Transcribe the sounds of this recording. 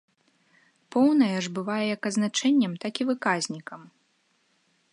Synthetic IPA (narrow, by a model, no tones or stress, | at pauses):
pɔwnɐjɐʐbɨvajɛjakɐd̪znat͡ʂɛnʲːɐmt̪akʲivɨkazʲnʲikɐm